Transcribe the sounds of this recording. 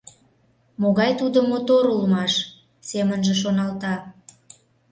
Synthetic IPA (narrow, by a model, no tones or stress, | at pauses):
moɣɑjt̪ud̪əmot̪oɾulmɑʃ | semənʒeʃ̬onɑlt̪ɑ